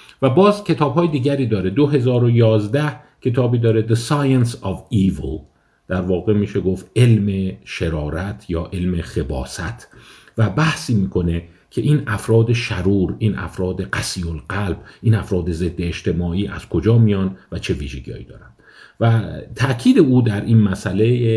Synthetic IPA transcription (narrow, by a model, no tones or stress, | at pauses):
væbɒːzcʰʲe̞t̪ʰɒːbhɒːjed̪iːɟæɾiːd̪ɒːɾe̞d̪oɦe̞zɒːɾo̞jɒːzd̪æh | cʰe̞t̪ʰɒːbiːd̪ɒːɾe̞d̪esɒjensɒviːvo | d̪̥æɾvɒːɣe̞miːʃe̞ɡo̞ft̪e̞lmeʃeɾɒːɾæt̪ʰjɒːʔe̞lmexe̞bɒ̰ːsæ̰t̪ʰ | væbæhsiːmiːkʰo̞ne̞ | cʲʰe̞ʔiːnæfɾɒːd̪e̞ʃæɾuːɾiːnʔæ̰fɾɒːd̪e̞ɡæsiːolɢælb̥ʔiːnæfɾɒːd̪e̞ze̞d̪ːeːʃt̪ʰe̞mɒːiːʔæ̰z̥kʰo̞d͡ʒɒːmijɒnvæt͡ʃʰe̞viːʒeɡijɒ̰ːjḭːd̪ɒ̰ːɾænd̪̥ | væt̪ʰæʔcʰiːd̪e̞uːd̪æɾʔiːnmæsʔæle̞